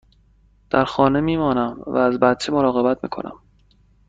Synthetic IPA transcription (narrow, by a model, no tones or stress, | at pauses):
d̪̥æɾxɒːne̞miːmɒːnæmvæ̰ːzbæt̪̚t͡ʃʰe̞moɾɒːɣe̞bæt̪̚mḭːkʰo̞̰nʔæ̰m